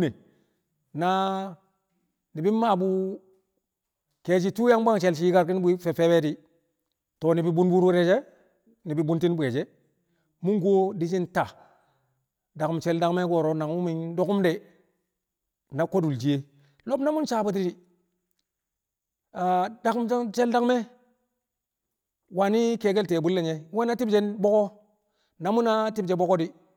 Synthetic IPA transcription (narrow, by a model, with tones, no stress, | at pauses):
ne˨ | na˦ | ni˨bi˦ma˦˨bu˦ | ke˨d͡ʒi˦tu˦ja˦ŋba˦ŋt͡ʃe˨lt͡ʃ̬i˨˦i˦ka˦ɾki˦n˦bi˦fe˨fe˦we˦di˦ | to˨ni˨bi˦bu˦nbu˦ɾu˦ɾe˦d͡ʒe˦ | ni˨bi˨bu˦nti˦n˦bʷe˨d͡ʒe˦ | mu˦ŋɡo˦di˦t͡ʃi˦nta˨ | da˨km˨t͡ʃe˦lda˦ŋme˦ɡo˨ɾo˨˦na˨ŋu˦mi˦ndo˦ku˦mde˨ | na˨ko˦du˨ld͡ʒi˨je˦ | lo˦bna˦mu˦nt͡ʃa˦˨ba˦t̬i˦ɾi˨ | a˨da˨km˦t͡ʃe˦lda˦kme˦ | wa˨ni˦ke˨ɡe˦lte˨bu˦lːe˨ɲe˨˦we˦na˦ti˦bd͡ʒe˦nbo˦ko˦ | na˨mu˦na˦ti˦bd͡ʒe˨bo˦ko˦di˦